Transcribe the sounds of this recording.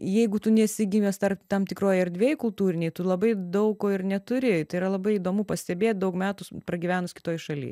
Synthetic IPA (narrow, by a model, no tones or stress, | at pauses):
jɛɪɡʊt̪ʊnʲɛsʲɪɡʲɪmʲɛst̪ɐrpt̪ɐmt̪ʲɪkroːjɐɾʲd̪ʲʋʲeːjkʊlˠt̪uːɾʲɪnʲɛɪt̪ʊlˠɐbɐɪd̪ɐʊkːoːɪrnʲɛt̪ʊɾʲɪt̪ɐɪiɾɐlˠɐbɐɪid̪oːmuːpɐsʲt̪ʲɛbʲeːt̪̚ʲd̪ɐʊkmʲæːt̪ʊpɾɐɡʲiʋʲæːnʊsʲkʲɪ̥t̪oːjʃɐlʲḭː